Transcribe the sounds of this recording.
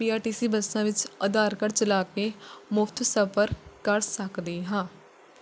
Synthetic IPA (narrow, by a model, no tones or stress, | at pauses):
piːaːɾʈiːsiːbəsãːʋɪt͡ʃəd̪aːɾkəɾt͡ʃəlaːkeːmʊfʰt̪səpəɾkəɾsəkd̪eːɦãː